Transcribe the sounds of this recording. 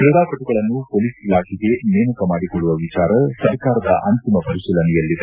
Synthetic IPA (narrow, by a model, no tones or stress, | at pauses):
pɾɐd̪aːkɐʈuɡɐɭɐnːupoːlisilaːkiɡe̞neːmɐkɐmaːɽikoɭːuʋɐʋit͡ʃaːɾɐsɐɾkaːɾɐd̪ɐʔɐnt̪imɐpɐɾiʃiːlɐnɛjɐlːid̪e